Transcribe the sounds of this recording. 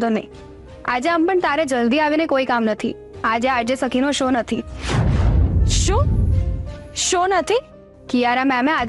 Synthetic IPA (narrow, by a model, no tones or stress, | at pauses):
t̪onəĩ | ad͡ʒeəmpəɳt̪aɾed͡ʒəld̪iaʋinekoikamnət̪ʰḭ | ad͡ʒead͡ʒesəkinoʃonət̪ʰi | ʃũː | ʃonət̪ʰi | kijaɾamɛmẽa